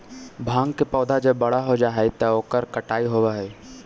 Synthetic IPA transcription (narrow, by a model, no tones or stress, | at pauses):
bʱãːŋɡkepɔːd̪ʱad͡ʒɐbːɐɽ̤aɦod͡ʒaːɦɛet̪ɐoːkəɾkɐʈaːiɦoːʋaɦɛː